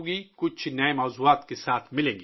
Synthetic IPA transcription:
ɡikʊt͡ʃʰnɐemɐwzuaːt̪kesaːt̪ʰmɪlẽːŋɡi

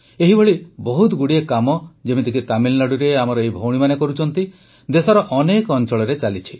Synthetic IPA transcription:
eɦibʱɔɭibɔɦut̪ɡuɽiekamɔd͡ʒemid̪ikit̪amillaɽuɾeamɔɾɔeɦibʱowɽ̃imanekɔɾut͡ʃʰɔnt̪i | d̪esɔɾɔʔɔnekɔnt͡ʃɔɭɔɾet͡ʃalit͡ʃʰi̥

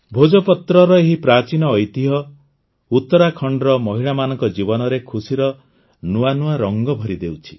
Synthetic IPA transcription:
bʱod͡ʒɔpɔt̪ɾɔɾɔeɦipɾat͡ʃinɔːjt̪iɦɔ | ut̪ːɔɾakʰɔɳɖɔɾɔmɔɦiɭamanɔŋkɔd͡ʒibɔnɔɾekʰusiɾɔ | nuanuaɾɔŋɡɔbʱɔɾid̪ewt͡ʃʰi̥

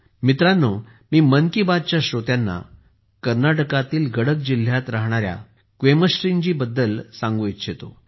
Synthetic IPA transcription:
mit̪ɾanːo | miːmənkibad̪̚t͡ɕjaɕɾot̪janːa̰ | kəɾnaʈəkat̪iːlɡəɽək̚d͡ʑil̤jat̪ɾaɦɽ̃aɾja̰ | kʋeməsʈɾiɲd͡ʑiːbəd̪ːəlsãŋɡuit̪ɕet̪o̰

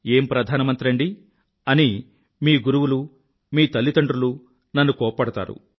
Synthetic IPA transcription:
e̞ːmpɾɐd̪ʱaːnɐmɐnt̪ɾɐɳɖi | ɐni | miːɡuɾuwulu | miːt̪ɐlːit̪ɐɳɖɾulu | nɐnːukɔːpɐpɐɽɐt̪a̰ːɾṵ

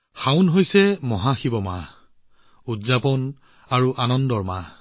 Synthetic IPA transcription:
xawnɦojsɛmɔɦaxibɔma̰ | udzapɔn | aɹuʔanɔndɔɹma̰

